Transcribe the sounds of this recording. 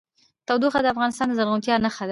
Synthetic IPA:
t̪awd̪uxad̪əafɣɑnɪst̪ɑnd̪əzaɾɣunt̪jɑnaxad̪a

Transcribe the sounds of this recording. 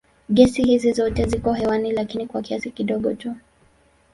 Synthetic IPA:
ɠɛsihizizɔtɛzikɔɦɛwanilakinikwakiasikiɗɔɠɔtu

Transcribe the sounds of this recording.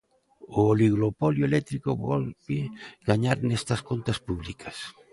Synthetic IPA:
ooliɣɾopɔljoelɛt̪ɾikoβɔlβeɣaɲaɾnɛst̪askont̪aspuβlikas

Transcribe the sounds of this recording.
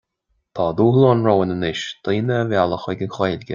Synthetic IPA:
t̪ʰɑːd̪uːhlˠoːnɹowənənɪʃd̪̥ʰiːnəːvjalˠəxəɡənxeːlʲɡʲə

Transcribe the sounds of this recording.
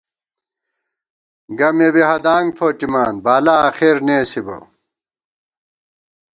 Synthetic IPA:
ɡɐmebiɦɐd̪aːŋɡfʰoːʈimaːnbaːlaːxeɾneːsibɐ̰

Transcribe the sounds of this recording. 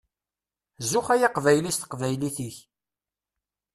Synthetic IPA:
zʊχæjaqvæjlist̪ə̥qvæjliθiç

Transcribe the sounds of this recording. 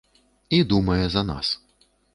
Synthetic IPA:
id̪umɐjɛzɐna̰s

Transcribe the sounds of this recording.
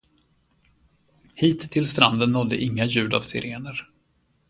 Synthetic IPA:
hiːt̪ʰːɪlst̪ɾand̪ənːɔd̪ːə̰ʔɪŋːajʉ̟ːd̪a̰vsɪ̰ɾʔeːnəɾ

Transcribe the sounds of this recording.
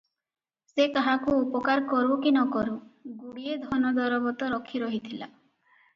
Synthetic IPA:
sekaɦakuːpɔkaɾkɔɾukinɔkɔɾuɡuɽied̪ʱɔnɔd̪ɔɾɔbɔt̪ɔɾɔkʰiɾɔɦit̪ʰila̰

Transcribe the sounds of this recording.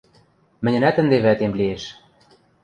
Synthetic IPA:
mɘ̆nʲɘ̆næt̪ə̆nd̪eβæt̪emlieʃ

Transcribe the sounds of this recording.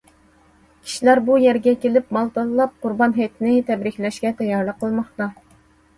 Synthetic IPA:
kʲʰi̥ʃilæɾbujɛɾɡʲɛkʲelɪpmɑlˠt̪ɑllˠɑp̚qʰʊɾbɑnɦɛjt̪ʰɪnɪt̪ʰɛbɾɪkʲlɛʃkʲɛt̪ʰɛjɑɾlˠəqʰːəlˠmɑχt̪ɑ

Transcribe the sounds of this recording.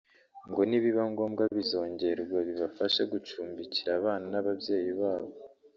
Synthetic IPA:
ŋɡo̞niβiβaŋɡoːmɡaβizo̞ːɲɟe̞ɾɡwaβiβafaʃeɡut͡ʃuːmbiciɾaːβaːnanaβabje̞ːjiβaːβo̞

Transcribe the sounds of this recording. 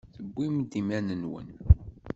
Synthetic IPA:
θəbːimd̪imænənwə̰n

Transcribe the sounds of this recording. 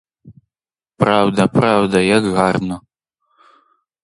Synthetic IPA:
pɾawd̪ɐpɾawd̪ɐjɐɡɣarnɔ

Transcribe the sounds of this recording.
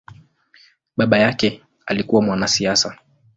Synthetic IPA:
ɓaɓajakɛ | alikuwamwanasiasa

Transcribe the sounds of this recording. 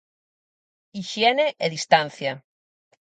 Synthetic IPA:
iʃjeneʔeðist̪anθja

